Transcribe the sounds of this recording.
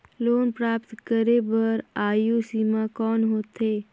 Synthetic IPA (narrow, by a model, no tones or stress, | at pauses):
loːnpɾaːpt̪kəɾebəɾaːjusiːmãkɔːnɦoːt̪ɦeː